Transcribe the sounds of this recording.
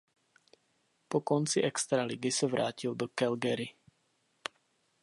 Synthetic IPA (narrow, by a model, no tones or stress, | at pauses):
pɔkɔnt͡siʔɛkst̪ɾaliɡisaʋɾʔaːcild̪ɔkɛlɡɛɾi